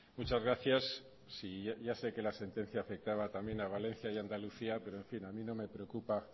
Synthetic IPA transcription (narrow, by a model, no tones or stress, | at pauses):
mut͡ʃazɣɾaθjasː | iaʝase̞ke̞lase̞nt̪ẽ̞n̟θjaːfe̞k̚t̪aβat̪ambje̞naβalẽ̞n̟θjajand̪aluθiape̞ɾo̞e̞ɱfinamĩno̞me̞pɾe̞okupa